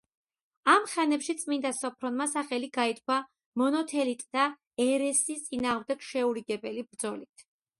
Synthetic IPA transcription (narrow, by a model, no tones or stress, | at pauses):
amχɛnɛpʃit̪sʼmind̪asɔpʰɾɔnmasaχɛliɡait̪̚ʰʼkʰwa | mɔnɔt̪ʰɛlit̪ʼd̪̥a | ɛɾɛsist̪sʼinaːʁmd̪ɛɡʃɛuɾiɡɛbɛlibɾd̪zɔlit̪ʰ